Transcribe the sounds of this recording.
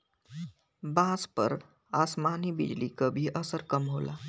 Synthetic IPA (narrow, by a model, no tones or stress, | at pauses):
bãspə̰ɾ | aːsmaːnibɪ̰d͡ʒlikabʱiʔəsəɾkəmɦoːla̰ː